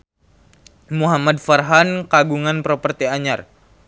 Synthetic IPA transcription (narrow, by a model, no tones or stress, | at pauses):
muɦamadfarɦankaɡuŋanpɾopərt̪iaɲar